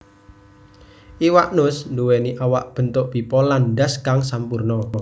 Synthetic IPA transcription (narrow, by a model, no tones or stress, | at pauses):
ʔiwaʔnʊsnduweniʔawaʔb̥ə̤nt̪ʊʔb̥i̤pɔlandaskaŋsampurnɔ